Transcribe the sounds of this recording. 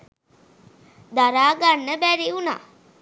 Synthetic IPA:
d̪aɾaːɡanːəbæɾiuna̰ː

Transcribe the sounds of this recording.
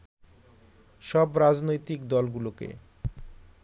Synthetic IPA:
ʃɔbɾad͡ʑnojt̪ikd̪ɔlɡulokḛ

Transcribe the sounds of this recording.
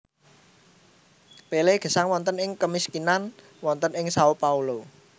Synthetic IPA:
peleɡ̥ə̤saŋwɔnt̪ənɪŋkəmiskinan | wɔnt̪ənɪŋsaupaulo

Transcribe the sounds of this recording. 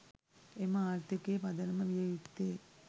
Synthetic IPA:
emɐaːrt̪ikeːpɐd̪ɐnɐməʋijɐjit̪ːeː

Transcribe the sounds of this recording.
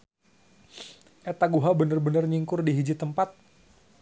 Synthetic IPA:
ʔet̪aɡuɦabənərbənərɲiŋkʊrdiɦid͡ʒit̪əmpat̪̚

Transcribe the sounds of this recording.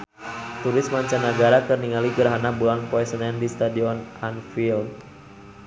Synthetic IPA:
t̪uɾɪsmaɲt͡ʃanːəɡaɾakərniŋaliɡəɾɦanabulanpɔɛsənɛndist̪adiɔnanfild̚

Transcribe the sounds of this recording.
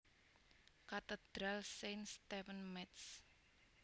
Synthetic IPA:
kat̪əd̪̥ɾalsenst̪ɛfənmɛt̪s

